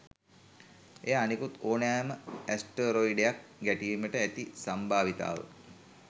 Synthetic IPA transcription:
ejaanikut̪oːnæːməæsʈəɾoiɖejak̚ɡæʈiːməʈəæt̪isambʱaːʋit̪a̰ːʋə̰

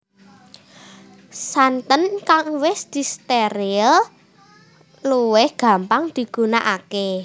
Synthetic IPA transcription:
sant̪ənkaŋwɪsd̪̥i̤st̪eɾil | luwɪhɡ̥ä̤mpaŋd̪̥i̤ɡ̥ṳnaʔake

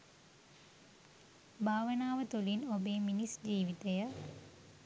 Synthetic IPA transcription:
bʱaːʋənaːʋət̪ulinobeːminisd͡ʒiːʋit̪ejə

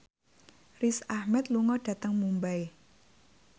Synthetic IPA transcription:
risahmɛt̪luŋɔɖ̥ä̤t̪əŋmumbae

